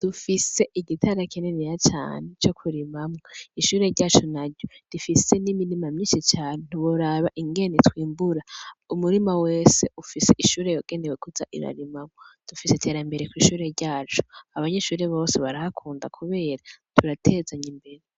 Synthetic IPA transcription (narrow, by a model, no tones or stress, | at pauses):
d̥ufise̞ʔiɟitʰaɾakʰenenijat͡ʃa̰ːne̞t͡ʃo̞kʰuɾimamŋaiʃuːɾe̞ɾɟaːt͡ʃunaɾɟodifise̞nimiɾimamɲiːʃit͡ʃaːnen̥uβuɾaβaʔiŋɡe̞netwiːmbuɾaumuɾimawe̞ːse̞ufise̞ʔiʃuːɾe̞joɡ̥e̞newekuza̰ʔḭɾa̰ɾimamod̥ufisetʰe̞ːɾambe̞ɾekwiːʃuːɾe̞ɾɟaːt͡ʃu̥aβaɲe̞ʃuːɾe̞βo̞ːseβaɾahakʰuːnda̰kʰuβe̞ːɾatʰuɾatʰe̞ːzaɲimbe̞ɾe